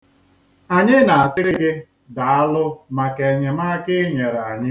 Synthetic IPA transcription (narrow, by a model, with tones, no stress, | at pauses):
a˨ɲɪ˦na˨a˨sɪ˦ɾɪ˦ɡɪ˦ | da˨a˦lʊ˦ma˨ke˨ɲe˨ma˦kɪ˦ɲe˨ɾa˨a˨ɲɪ˦